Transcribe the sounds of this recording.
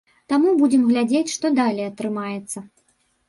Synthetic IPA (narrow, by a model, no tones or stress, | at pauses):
t̪amubud͡zʲɛmɣlʲad͡zʲet͡sʲʂt̪ɔd̪alʲejɐt̪ɾɨmajɛt̪sːɐ